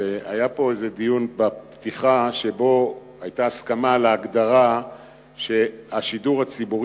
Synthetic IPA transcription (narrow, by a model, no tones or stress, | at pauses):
ea̰japo̞ezed̪ijunbappt̪iχaʃe̞bo̞ | ajt̪aːskamaleaɡd̪aʁa | ʃe̞aʃiduʁhat͡sibuʁ